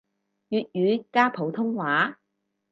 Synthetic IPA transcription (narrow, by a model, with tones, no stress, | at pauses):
jyː˨t̚jyː˨˧˥kaː˥pʰo˨˥wt̪ʰʊ˥ŋwaː˨˥